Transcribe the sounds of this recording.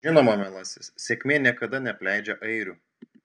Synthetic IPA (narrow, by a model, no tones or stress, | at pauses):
ɪnoːmɐmʲɛlˠɐsʲɪssʲekʲmʲeːnʲiɛkɐd̪ɐnʲɛpʲlʲæɪd͡ʒʲɛʔɐɪɾʲu